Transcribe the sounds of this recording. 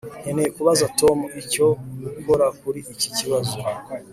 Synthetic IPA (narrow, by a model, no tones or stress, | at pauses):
enekuβazato̞muico̞mukoɾakuɾiiciciβazo